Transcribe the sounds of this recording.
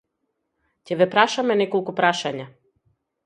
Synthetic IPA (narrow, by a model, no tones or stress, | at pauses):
cɛvɛpɾaʃamɛnɛkɔlˠkupɾaʃaɲa